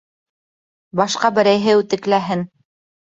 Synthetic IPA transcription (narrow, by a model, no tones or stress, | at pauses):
bɑʃqɑbɘ̆ɾæjɦɘʉt̪ɘ̆klæɦɘn